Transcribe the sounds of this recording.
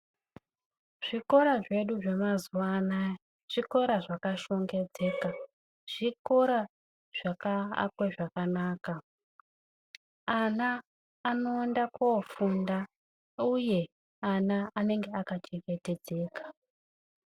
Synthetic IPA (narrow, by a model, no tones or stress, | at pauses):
ʐ̥iko̞ɾaʐe̞ɗuʐe̞mazuwana | ʐ̥iko̞ɾaʐakaʃo̞ŋɡe̞d͡ze̞ːka | ʐ̥iko̞ɾa | ʐ̥aka̰kweʐakanaːka | anaː | no̞ːndakofunda | uje̞ | anaane̞ŋɡe̞akat͡ʃeŋɡe̞te̞d͡ze̞ːkḁ